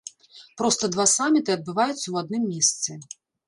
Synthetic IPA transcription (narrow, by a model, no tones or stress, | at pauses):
pɾɔst̪ɐd̪vasamʲit̪ɨɐd̪̚bɨvajut̪sːɐwad̪nɨmːʲeɛst̪sʲɛ